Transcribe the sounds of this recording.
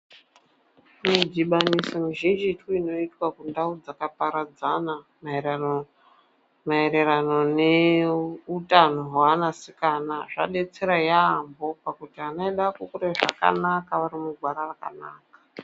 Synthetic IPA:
midiɓanisomiʒend͡ʒituino̞itwakundaud͡zakapaɾad͡zana | ma | maeɾeranone | utanoɦwaanasikanaʐa̰ɗe̞t͡se̞ɾajaːmbo̞pakutianaiɗakukuɾeʐa̰ka̰nakaʋaɾimuɡʱwaɾaraka̰naːkḁ

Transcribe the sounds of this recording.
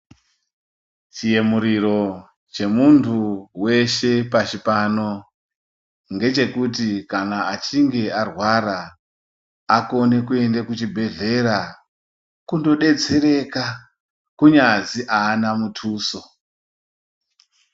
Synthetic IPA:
t͡ʃije̞muɾiɾo̞ | t͡ʃe̞muntʰuwe̞ʃe̞pat͡ʃipano̞ | ŋɡe̞t͡ʃe̞kut̬ikanaat͡ʃiŋɡe̞arwaɾa | ko̞ne̞kue̞ndekut͡ʃibʱe̞ɮe̞ɾa | kundo̞ɗe̞d͡ze̞ɾe̞ka | kuɲaziʔaːnamutʰuːso

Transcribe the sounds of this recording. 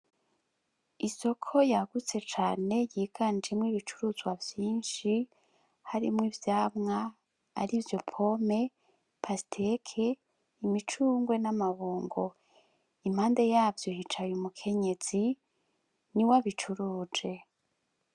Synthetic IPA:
iso̞kʰo̞jaɡ̥ut͡se̞t͡ʃaːne̞jiːɡ̥and͡ʒimŋiβit͡ʃuɾuzɡwavjiːnʃi | haɾimŋivjaːmŋa̰ː | ɾivjo̞pʰo̞me̞ | pʰasi̥tʰekʰe | imit͡ʃuːŋɡwe̞namaβuːŋɡo̞ | im̥haːnde̞jaːvjohit͡ʃajumukʰe̞ɲe̞z̥i | niwaβit͡ʃuɾuːd͡ʒe̞

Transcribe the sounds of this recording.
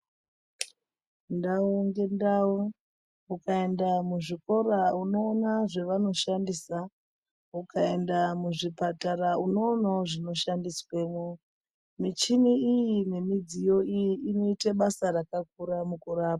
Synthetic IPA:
ndauŋɡe̞ndau | ukae̞ndamuʐiko̞ɾauno̞ːnaʐeʋano̞ʃandisa | ukae̞ndamuʐipatarauno̞ːnaoʐino̞ʃandiswe̞ːmo | mit͡ʃiniijine̞mid͡zijo̞ijiʔinoiteɓasarakak̚uɾamukuɾaːpa

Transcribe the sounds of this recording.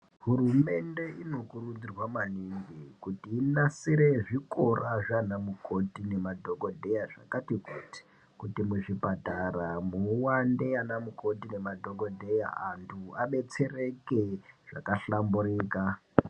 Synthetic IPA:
ɦurume̞nde̞ʔino̞kurud͡zirwamaniŋɡikutiːnasiɾe̞ʐiko̞raʐanamukʰo̞tine̞madʱoɡodʱejaʐa̰katikoti̥ | kutimuʐipataramuwandeanamuko̞tine̞madʱo̞ɡo̞dʱe̞ja̰antʰuaɓe̞t͡se̞re̞keʐ̥a̰kaɬamburiːka

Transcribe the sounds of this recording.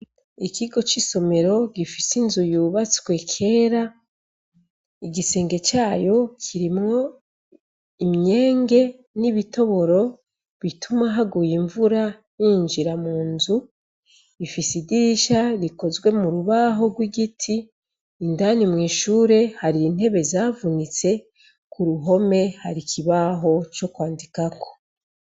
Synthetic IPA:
ikʰiɡo̞t͡ʃiso̞me̞ɾo̞ɡifisinzujuːβat͡skwe̞kʰe̞ːɾa | iɡise̞ːŋɡe̞t͡ʃaːjo̞kʰiɾimŋo̞ | imɲe̞ːŋɡe̞ | niβito̞βo̞ɾo̞ | βitʰumaɦaɡujiɱvuɾa | niːɲd͡ʒiɾamuːnzu | ifisiɡiɾiʃaɾiko̞zɡwe̞muɾuβaɦo̞ɡwiɡitʰiː | ndanimŋiːʃuːɾe̞haɾiːn̥he̞βe̞zavunit͡se̞ | kʰuɾuɦo̞me̞haɾikʰiβaɦo̞t͡ʃo̞kwaːndikako̞̥

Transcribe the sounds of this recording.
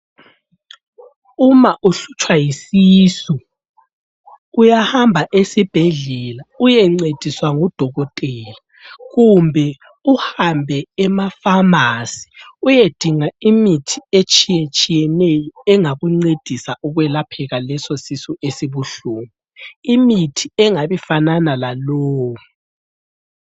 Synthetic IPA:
umaʔuɬut͡ʃʼwajisiːsu | ujahambʱaʔesib̥ʱeɮɛlaujɛŋ͡ǀed̥ʱiswaŋud̥ʱɔɣɔtʼɛːla | ɣumbʱɛ | uhambʱɛɛmafamasi̥ujed̥ʱiŋaimitʰiet͡ʃʼijet͡ʃʼijɛnɛjɔɛŋaɣuŋ͡ǀed̥ʱisauɣwɛlapʰɛɣalɛsosisuʔesiβuɬuːmiimitʰiɛŋaβifananalaloːwu

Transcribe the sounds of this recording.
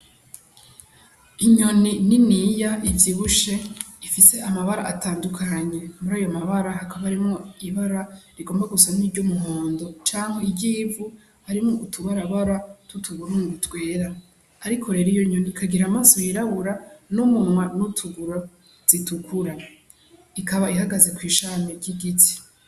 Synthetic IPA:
iɲo̞nininijaʔivjiβuʃe̞ifise̞amaβaɾa̰ʔːtaːndukʰaɲe̞muɾaːjo̞maβaɾahakaβaːɾimŋo̞iβaɾaɾiɡoːmbaɡusaniːɾɟomuɦoːndo̞t͡ʃaːŋheibɟiːvu | haɾimŋoʔutʰuβaɾaβaɾatutʰuβuɾunuɡutwe̞ːɾaː | ɾikʰo̞ɾe̞ɾijoɲonikʰaɡiɾaːmaːsojiɾaβuɾanumumŋwanutʰuɡuɾa | z̥itukuɾa | ikaβaihaɡaze̞kwiːʃaːmeɟiɡiti̥

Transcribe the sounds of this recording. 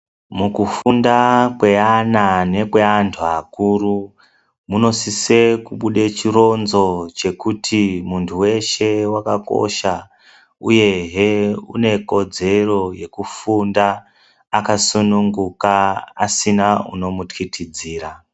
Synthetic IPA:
mukufundakwe̞anane̞kwe̞antʰuakuru | muno̞sise̞kuɓuɗe̞t͡ʃiro̞nzo̞t͡ʃe̞kutʰimuntʰuwe̞ʃe̞wakako̞̰ʃa | uje̞ɦeṵne̞ko̞d͡ze̞ro̞je̞kufundaː | kasunuŋɡukaa̰sinaṵno̞mutkitʰid͡ziːɾa

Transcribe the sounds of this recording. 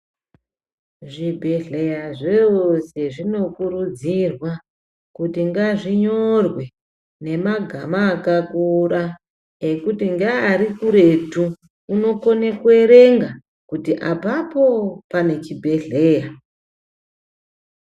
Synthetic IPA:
ʐibʱe̞ɮe̞jaʐeose̞ʐino̞kuɾud͡zirwa | kutiŋɡaʐiɲo̞rwe̞ | ne̞maɡʱamaːkakuɾa | e̞kutiŋɡaːɾikuɾe̞tu | uno̞konekweɾe̞ŋɡa | kutiʔapapo̞pane̞t͡ʃibʱe̞ɮe̞ːja

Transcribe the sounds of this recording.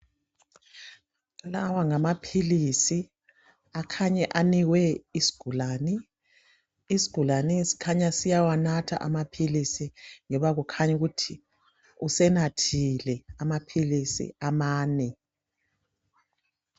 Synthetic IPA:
lawaŋamapʰilisi | akʰaɲɛʔaniwɛisi̥ɡ̥ʱulaːni | si̥ɡ̥ʱulanisi̥kʰaɲasijawanatʰa̰ʔa̰mapʰilisiŋɔβaɣukʰaɲɛɣutʰi | usɛnatʰilɛamapʰilisḭamaːnɛ

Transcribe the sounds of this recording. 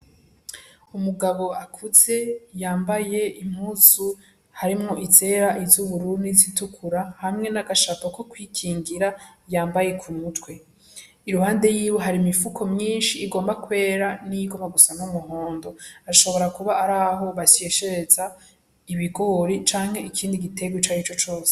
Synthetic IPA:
umuɡaβo̞akʰuze̞jaːmbaje̞im̥huzu | haɾimŋo̞ʔite̞ːɾaʔizuβuɾunizitukʰuɾahamŋe̞naɡaʃatokokwiːkʰiːŋɡiɾajaːmbaje̞kʰumutwe̞ | iɾuhaːnde̞jiːweɦaɾimifukʰo̞mɲiːnʃiːɡoːmbakwe̞ːɾaniɡomaɡusanomuɦo̞ːndo̞aɾaʃo̞βo̞ɾakuβaːɾaːɦo̞βase̞ʃe̞ɾe̞za | iβiɡoɾit͡ʃaːŋ̥he̞ikʰiːndiɡite̞ɡwet͡ʃait͡ʃo̞t͡ʃo̞ːse̥

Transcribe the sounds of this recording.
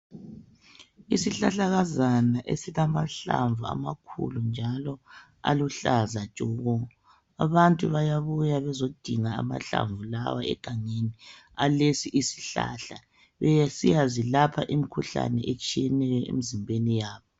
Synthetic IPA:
isiɬaɬaɣazanaʔesiɣamaɬa̰ɱvua̰makʰṵlund͡ʒʱalɔ | a̰luɬazat͡ʃʼɔɣɔ | aβantʼuβajaβujaβɛzod̥ʱiŋaa̰ma̰ɬa̰ɱvula̰waɛ̰ɡ̥ʱaŋeni | alesiʔisi̥ɬa̰ɬa | βɛjasijazilapʰaʔimikʰuɬa̰nɛʔet͡ʃʼijɛnɛjɔʔḛmizimbʱenijaːβɔ

